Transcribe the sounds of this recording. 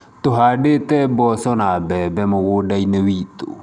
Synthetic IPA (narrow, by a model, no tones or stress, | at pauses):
t̪ʊɦadet̪ɛbɔsɔnabɛbɛmʊwʊdainewit̪o̰